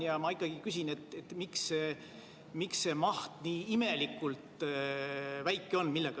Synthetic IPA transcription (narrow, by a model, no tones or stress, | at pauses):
jɑmɑikˑːɑɡ̥ikys̬ʲinet̪ːet̪miksːe | miksːe̞mɑht̪niːime̞likːult̪ | væjkːˑeo̞nmilːeɡ̥ɑ